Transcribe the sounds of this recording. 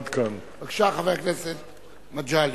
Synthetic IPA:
d̪kʰan | aɡʃaχavejakneset̪ | mad͡ʒal

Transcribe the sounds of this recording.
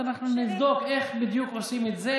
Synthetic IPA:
anaχnunɪvdokɛχbɪdjuːkosimɛtze

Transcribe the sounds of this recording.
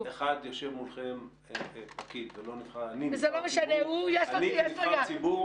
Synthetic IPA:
eχad̪joʃevmulχem | pakid̪velo̞nifχaanivezelomeʃaneujeʃloijeʃlojaibu

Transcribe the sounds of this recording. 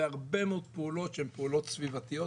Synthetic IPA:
eaʁbemeod̪̚peulo̞t̪ʃeempeulo̞t̪svivat̪ijo̞

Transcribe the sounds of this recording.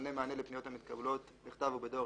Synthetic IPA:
nemaːne̞lepnijo̞thamit̪kablo̞t̪ | beχt̪avubedo̞

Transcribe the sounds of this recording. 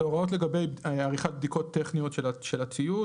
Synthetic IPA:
oʁao̞t̪le̞ɡabejaʁiχat̪̚bd̪iko̞t̪ːeχnijo̞tʃeʃelat͡siu

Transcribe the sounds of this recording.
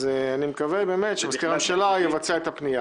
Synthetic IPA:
zeanimekavebeːmet̪ʃemask̪iʁamʃelajevat͡saet̪apnija

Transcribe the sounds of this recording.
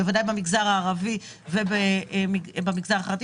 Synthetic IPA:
evadajbamiɡzaʁaːʁavi | vebemibamiɡzaʁaχlat̪i

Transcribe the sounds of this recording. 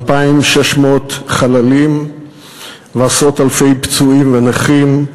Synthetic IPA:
paimʃeʃmot̪χalalim | veasʁo̞talfe̞jpt͡suimvenaχim

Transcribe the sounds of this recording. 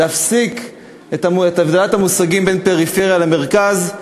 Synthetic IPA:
eafsik | etaet̪aavd̪elathamusaɡimbenpe̞ʁifeʁjaleme̞ʁkaz

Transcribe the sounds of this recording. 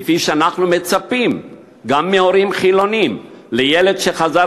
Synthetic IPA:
fiʃeanaχnume̞t͡sapim | ɡamːeo̞ɾimχilo̞nim | lejele̞d̪ʃe̞χaza

